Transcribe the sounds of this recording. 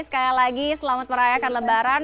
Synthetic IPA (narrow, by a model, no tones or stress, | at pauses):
sə̥kajalaɡisəlamat̪̚məɾajakanləbaɾan